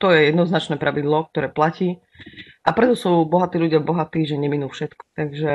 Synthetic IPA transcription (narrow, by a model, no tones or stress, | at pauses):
t̪ɔjɛjɛd̪nɔznat͡ʃnɛːpɾʔaʋid̪lɔk̚t̪ɔɾɛːplaciː | ʔapɾɛt̪ɔsuːbɔɦat̪iːlʎuɟɪabɔɦat̪iːʒɛɲɛminuːfʃɛt̪kɔ̥t̪aɡʒɛ